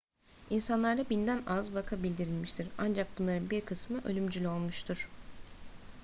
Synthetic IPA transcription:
insanlˠaɾd̪abind̪ænazbakʰabilʲd̪iɾilʲmiʃt̪ʰiɾand͡ʒak̚bunlˠaɾɯnbiɾkʰɯsmɯʔølʲymd͡ʒylʲyo̞lˠmuʃt̪ʰuɾ̥

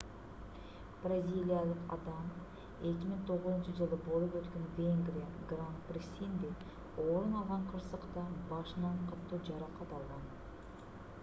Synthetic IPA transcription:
b̥razʲilʲˠijalˠəqɑ̰d̪ɑm | ekʲɪməɴt̪ʰo̞ʁəzənʃəʒəlˠəbolˠəp̪wɵt̪kʲe̞nvʲeŋɡɾijaɡrant̪̚brisʲind̪e | woɾənɑlˠʁɑɴqʰəɾsəqt̪əbɑʃənɑɴqʰɑt̪ːəwʒɑɾɑqɑt̪ɑlˠʁɑn

